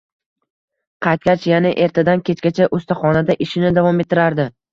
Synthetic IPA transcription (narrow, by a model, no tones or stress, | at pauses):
qʰɑjt̪̚kʲat͡ʃjanɪʔe̞ɾt̪ʰad̪ankʲʰe̞t͡ʃkʲat͡ʃʰaʔost̪aχɒnad̪aʔɪʃɪnɪd̪avɒme̞t̪ʰːɪɾaɾd̪ɪ